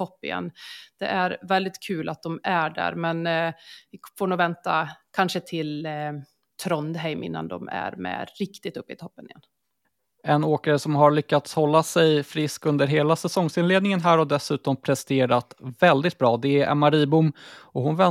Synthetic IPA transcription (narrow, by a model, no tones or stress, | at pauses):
ɔpːɪ̰jɛ̰nːd̪̥ɛ̰ʔæɾvɛld̪ɪt̪kʰʉːlʔat̪̚d̪ɔmæɖæ̰ːɾmɛnvɪfoːɳuːvɛnt̪akʰanʂət̪ʰɪl | t̪ʰɾɔnd̪ɦɛjmʔɪ̰nːa̰nd̪ɔ̰mæ̰ɾmɛ̰ɾɪkt̪ɪt̪ɵpːɪt̪ʰɔpːənɪjɛ̰nː | ɛnoːkaɾəsɔmɦaɭʏkːat̪shɔlːasɛjfɾɪskɵnd̪əɾɦeːlasɛsɔŋsɪnleːd̪nɪŋənɦæːɾɔd̪ɛsʉ̟ːt̪ɔmpʰɾɛst̪eːɾat̪vɛld̪ɪt̪̚bɾɑːd̪ɛʔɛ̰maɾiːbʊmɔhʊnvɛ